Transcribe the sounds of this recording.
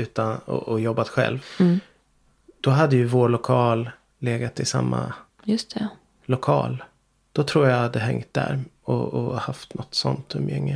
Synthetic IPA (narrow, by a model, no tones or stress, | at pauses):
ʉ̟ːt̪anɔ̰ʔɔjɔbːat̪ɧɛ̰lv | d̪̥ɔɦad̪ːəjɵvoːɭʊkʰɑːl | leːɡat̪ʰːɪsa̰mːa̰ | jɵst̪ʰɛ | lʊkʰɑ̰ːl | d̪̥ɔt̪ʰɾuːɾjahad̪ːəɦɛŋt̪̚d̪æ̰ɾ | ɔɔhaft̪nɔt̪ːsɔnt̪ʰɵmjɛŋːə